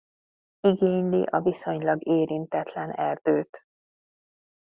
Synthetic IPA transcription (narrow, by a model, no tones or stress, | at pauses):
iɡeːɲliʔɒviso̞ɲlɒɡeːɾint̪ɛt̪lɛnɛrd̪̥øːt̪